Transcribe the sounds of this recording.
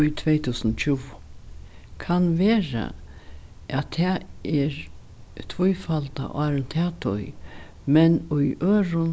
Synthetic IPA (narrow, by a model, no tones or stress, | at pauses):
ʊjt̪ʰvɛjt̪ʰuːsənt͡ɕʰuw | kʰanʋeːɾa̰ | ʔæt̪ʰɛːɛɹ | t̪ʰvʊjfalt̪a̰ʔaɾɛnt̪ʰɛːt̪ʰʊ̰j | mɛnʊjøːɾʊn